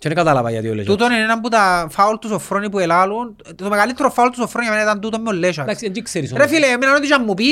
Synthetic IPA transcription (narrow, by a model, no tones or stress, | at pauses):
t͡ʃɛnkat̪alapa̰ja̰d̪io̰lːḛt̪ut̪oninɛnambut̪afault̪usofɾonip̬uɛlaːlun | somaɡalit̪ːɾɔfːault̪ːusofːɾoːniamɛnɛt̪ant̪ut̪omːolːɛʃaad͡ʒikseɾisɾɛfilɛminanod̪it͡ʃamːup̬i